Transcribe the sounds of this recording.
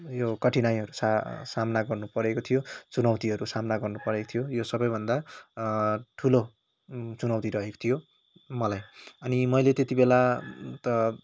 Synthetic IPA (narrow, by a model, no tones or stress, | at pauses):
jokʌʈʰinajɦʌɾusasamnaɡʌrnupʌɾekot̪ʰijot͡sunʌwt̪iɦʌɾusamnaɡʌrnupʌɾekot̪ʰijojosʌbʌjbʱʌnd̪a | ʈʰulo | t͡sunʌwt̪iɾʌɦeko̥t̪ʰijo | mʌlajʌnimʌjlet̪et̪ibelat̪ʌ